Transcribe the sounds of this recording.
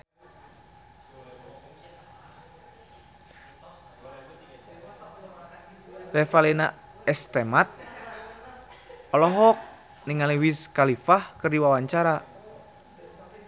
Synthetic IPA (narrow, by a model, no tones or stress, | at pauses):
rɛfalina̰ | ɛst̪ɛmat̪̚ | ɔlɔɦɔk̚ | niŋaliwiskalifahkɨrdiwawaɲt͡ʃaɾa